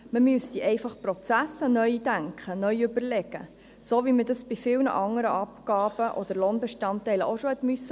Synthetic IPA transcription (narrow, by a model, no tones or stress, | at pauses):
məmyəst̪iʔɛɪfɑχpɾɔt͡sæsənœʏd̥æŋkχənœjøbəɾlɛɡ̥ə̰ | soːʋimədɑsb̥ifɪlnə̰ʔɑŋəɾə̰ʔɑpkɑːbəʔɔd̥̪əɾloːnbɛʃtɑntːɛɪləʔoʃohɛt̪mysə